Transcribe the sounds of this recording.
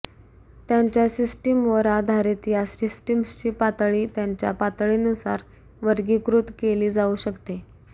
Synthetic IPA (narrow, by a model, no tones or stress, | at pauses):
t̪jaɲt͡ɕjasisʈəmʋəɾad̪ʱaɾit̪iɦasisʈəmst͡ɕiːpat̪ɭiːt̪jaɲt͡ɕja̰pat̪ɭiːnusa̰ɾ | ʋəɾɡiːkɾut̪keliːd͡zauɕəkt̪e